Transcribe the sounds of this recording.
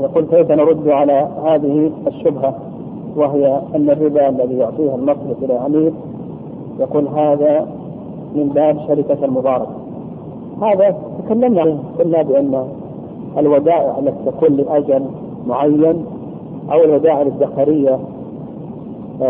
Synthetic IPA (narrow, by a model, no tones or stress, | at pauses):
jɑquːlkajfanɑɾˤʊd̪ːʕalahaːðɪhiaʃːʊbɦa | wɪɦɪjaʔanːarːɪbaʔalːaðijʊʕt̪ˤiːhalmɑsˤɾɪfʔɪlalʕamiːq | jɑquːlɦaːða | mɪmbaːbʃaɾɪkaalmʊðˤɑːɾˤɑka | haːðat̪akalːamnaqʊlːabɪʔanːa | alwad̪aːʔɪ̰ʕalːat̪i̥t̪akuːnlɪʔad͡ʒal | mʊʕajːan | ʔa̰wɪlwad̪aːʔɪlad̪ːaqaɾɪjːa